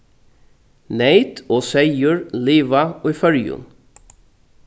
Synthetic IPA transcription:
neɪt̪ʰoːseɪəɹliːʋɑʔɔʏfœɾjʊ̰n

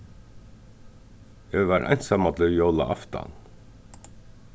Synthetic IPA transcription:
ɛvaɾʔa̰jnsamat̪lʏjowla̰ʔa̰ft̪a̰n

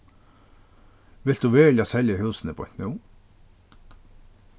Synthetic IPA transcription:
ʋɪltd̪uːʋɛːljaːsɛljəhʉːsən̩əpʰoːɛt̪nʉː

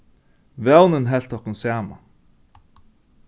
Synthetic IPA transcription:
ʋɛwnənɦɛlt̪ɔkʊnsæːma̰

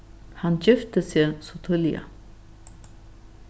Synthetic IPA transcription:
hand͡ʑɪft̪əsɛsɔt̪ʰʊlja̰

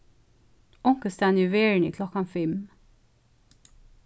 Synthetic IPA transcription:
ɔŋkəst̪æːnʉʋeːɹɳḭːkʰlɔkɑnfɛm

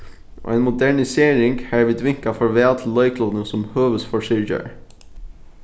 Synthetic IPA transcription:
ʔo̰ːeːnmʊd̪æɳɪseːɾɪŋɡhæːɹʋiːd̪ʋɪŋkɑfɔɹʋeːɑt̪ʰlœɪkʰlɔd̪n̩sɔmhøːʋəsfɔʂɪɾçə̰ɹ

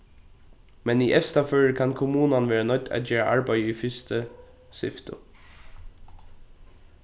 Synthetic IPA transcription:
mɛniʔɛfst̪aføːɹəkʰankʰʊmuːnanʋeːɹanœt̪ːæ̰t̪jeːɹa̰ʔaɹbæɪiːfɪst̪ʰə | sʏ̰ft̪ə̰

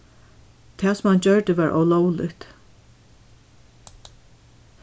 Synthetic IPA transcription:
t̪ʰɛːsʊmhant͡ɕœɹd̪əʋaːɹʔɔ̰wlɔwlɪ̰kt̪

